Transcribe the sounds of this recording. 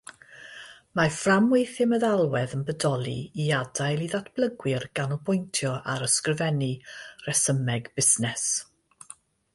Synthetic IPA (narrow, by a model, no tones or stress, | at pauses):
maframwejθɪməðalˠwɛðənbədɔlˠḭiadajlˠiðatʰb̥ləɡwɪrɡ̥anɔbʊjntʰjɔʔaɾəskrvɛnirɛsəmɛɡb̥ɪsnɛs